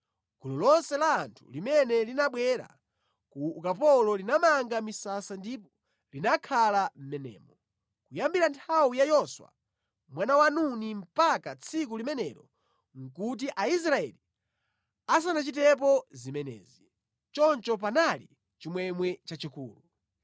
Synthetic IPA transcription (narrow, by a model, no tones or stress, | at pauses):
ɡ̥ulɔlɔnsɛlaːntʰu̥limɛnɛlinaɓwɛɾa̰ | kuːkap̬ɔlɔlinamaŋɡamisasandipɔ | linakʰalam̩mɛnɛ̰ːmɔ | kujambiɾantʰawijajɔswa̰ | mwanawanunim̩pakat͡sʰikulimɛnɛ̰ɾɔ | ŋ̩kut̬iʔais̬ɾaɛ̰li | as̬anat͡ʃitɛp̬ɔzimɛnɛ̰ːzi | t͡ʃɔnt͡ʃɔp̬analḭ | t͡ʃimwɛmwɛt͡ʃat͡ʃikṵːlu